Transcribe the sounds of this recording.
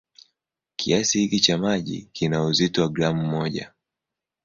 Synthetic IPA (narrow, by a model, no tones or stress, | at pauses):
kʰiasihikit͡ʃamaʄḭkinauzitɔaɡɾamumɔʄa̰